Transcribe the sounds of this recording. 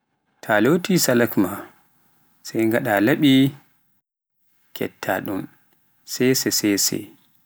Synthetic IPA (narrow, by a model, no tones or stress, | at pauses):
tʰalotisalakma | sajŋɡaɗalaɓi | kʰɛ̰tʰːa̰ɗun | sɛjsɛsɛsɛ̰